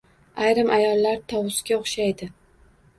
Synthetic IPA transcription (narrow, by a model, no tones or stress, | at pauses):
ajɾɪmʔajɒlˠːaɾt̪ʰɒwʊsɡʲaoχʃajd̪ɪ